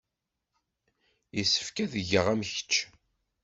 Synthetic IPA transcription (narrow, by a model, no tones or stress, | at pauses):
isːə̥fkæðəʝəʁæmçə̥t͡ʃː